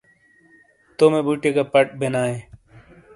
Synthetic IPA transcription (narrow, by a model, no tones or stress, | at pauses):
t̪oːmebuʈekapɐʈ̚benaːẽː